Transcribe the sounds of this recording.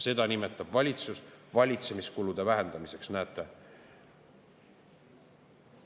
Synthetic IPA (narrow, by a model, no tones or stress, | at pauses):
se̞d̪̥ɑnime̞t̪ːˑɑb̥vɑlʲit̪susvɑlʲit̪se̞miskulud̪̥e̞væɦe̞nd̪ɑmise̞ksnæːt̪ːˑe̞